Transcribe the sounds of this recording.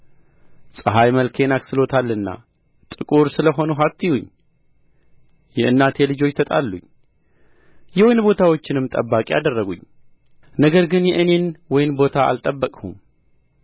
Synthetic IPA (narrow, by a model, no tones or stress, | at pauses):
sʼɨɦajməlkʰe̞naksɨlo̞t̪ʰalːɨnːa̰ | t̪ʼɨkʼuɾsɨləɦo̞nuɦat̪ʰːijuɲː | jɛʔɨnːat̪ʰe̞lɨd͡ʒo̞t͡ʃːt̪ʰət̪ʼalːuɲ | jɛwojnbo̞t̪ʰawo̞t͡ʃːɪnɨmt̪ʼəbːakʼia̰d̪ərːəɡuɲː | nəɡəɾɡɨnjɛʔɨne̞nwɔjɪnbo̞t̪ʰaa̰lt̪ʼəbːəkʼhṵm